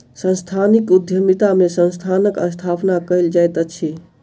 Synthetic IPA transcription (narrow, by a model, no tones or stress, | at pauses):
sə̃nst̪ʰanikud̪ʱjəmit̪amesə̃nst̪ʰanəkəst̪ʰapnakəjld͡ʒajt̪ət͡ʃʰi